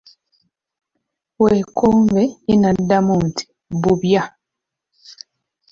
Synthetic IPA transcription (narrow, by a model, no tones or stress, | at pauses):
weːkʰoːmbe̞inadːamuntʰi̥ | βuβja